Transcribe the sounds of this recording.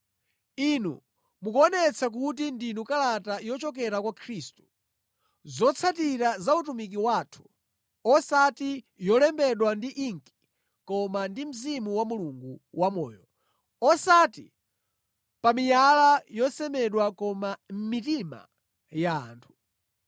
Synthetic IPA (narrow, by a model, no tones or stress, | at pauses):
inu | mukuɔnɛt͡sʰak̬ut̬indinukalatajɔt͡ʃɔkɛɾakwakʰɾistu̥ | zɔt͡sʰatiɾazautumik̬iwatʰu̥ | ɔsati | jɔlɛmbɛɗwandiʔiŋki̥ | kɔmandim̩zimuwamuluŋɡuwamɔ̰ːjɔ | ɔsati | pamijalajɔsɛmɛɗwakɔmam̩mitima̰ | ja̰ːntʰu̥